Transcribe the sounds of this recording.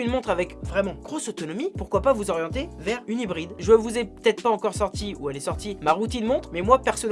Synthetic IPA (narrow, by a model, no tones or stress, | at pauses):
ynmɔ̃t̪χavɛkvʁɛmɑ̃ɡʁosot̪ɔnɔmipuʁkwapavuzɔʁjɑ̃t̪evɛʁynibʁid̪ʒəvuzɛpø̥t̪ɛt̪χpaɑ̃kɔʁsɔʁt̪iuɛlɛsɔʁt̪imaʁut̪inmɔ̃t̪χmɛmwapɛʁsɔn